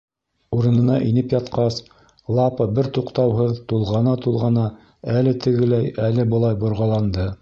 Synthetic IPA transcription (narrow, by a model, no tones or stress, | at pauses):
uɾɤ̆nɤ̆nɑʔinɘpjɑt̪qɑs | lˠɑpɤbɘɾt̪uqt̪ɑwɦɤðt̪ulˠʁɑnɑt̪ulˠʁɑnɑ | ælɘt̪ʰɘ̆ɡɘlæjælɘbɤ̆lˠɑjbŏɾʁɑlˠɑnd̪ɤ